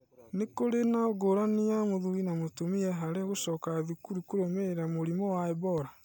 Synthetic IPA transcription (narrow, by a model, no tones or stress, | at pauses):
nekoɾenaɡoɾaniamoðuinamotomiɛɦaɾeɣoʃɔkaðukuɾukoɾomeɾamoɾimɔwaɛbɔɾa